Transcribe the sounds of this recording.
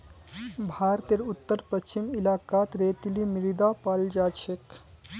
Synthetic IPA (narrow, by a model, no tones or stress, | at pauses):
bʱaːɾt̪eɾut̪ːəɾpəst͡ʃimilaːkaːt̪ɾeːt̪ilimiɾid̪apald͡ʒaːt͡ʃʰek